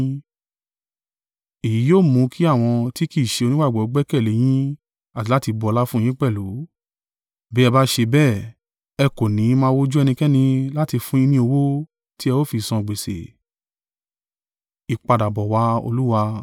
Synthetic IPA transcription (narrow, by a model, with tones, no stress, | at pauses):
i˨ji˨˦joː˦˨mũ˧˦kʰi˦a˦˨w̃ɔ̃˧ti˦ki˦˨ʃe˧o˧nĩ˦ɡ͡ba˦˨ɡ͡bɔ˨ɔ˨˦ɡ͡bɛ˦kɛ˦˨le˨˦j̃ĩ˦ | a˨ti˨˦la˦ti˧bɔ˧ɔ˧la˦fũ˦˧j̃ĩ˦k͡pɛ˦˨lu˨˦ | bɛ˦ɛ˧ba˦ʃe˧bɛ˦˨ | ɛ˧ko˨nĩ˨˦mãː˦˧wo˦d͡ʒu˦ɛ˧nĩ˧kɛ˦nĩ˧la˦ti˧fũ˦ĩ˦nĩ˧˦o˧wo˦ | ti˦ɛ˧wo˦˨fi˧˨sɔ̃˧˨ɡ͡be˨sḛ˨ | i˨k͡pa˧da˨bɔ˨wa˧˦o̰˧lu˦wa˧